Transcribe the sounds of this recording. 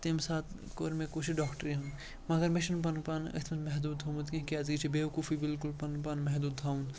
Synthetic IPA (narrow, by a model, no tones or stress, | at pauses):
t̪imsaːt̪ʰ | koːɾmẽkot͡ʃʰiɖaːkʈəɾiɦũn | mɐɡɐɾmɪʃɐnpɐnk̚paːnɐ̰t̪ʰmɐnmɛɦd̪uːd̪ɦomut̪kĩɦkiazɡit͡ʃʰibeʋkuːfʰibɪlkulpɐnkpaːnmɛɦd̪uːd̪ɦʰaːũn